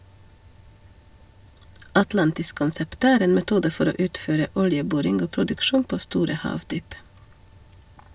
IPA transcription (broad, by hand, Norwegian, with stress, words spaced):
ɑtˈlɑntɪskʊnˌsɛpt ˈæːɾ ˈeːn mɛˈtuːdə ˈfɔɾ ˈoː ˈʉːtˌføːɾə ˈʊljəˌbuːɾɪŋɡ ˈoː pɾʊdʉkˈʃuːn ˈpoː ˈstuːɾə ˈhɑːʋˌdyːp